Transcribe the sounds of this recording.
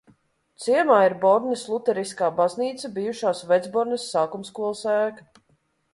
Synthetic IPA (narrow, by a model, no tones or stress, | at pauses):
t̪siɛmaːiɾbɔɾnislˠut̪ɛɾiskaːbazniːt̪sabijuʃaːsvɛd̪zbɔɾnɛsːaːkumskuɔlˠsæːk